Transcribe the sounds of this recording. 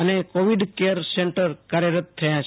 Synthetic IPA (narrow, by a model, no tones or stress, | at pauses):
ənekoʋiɖkeəɾseɳʈəɾkaɾjəɾət̪ʰːəjãt͡ʃʰ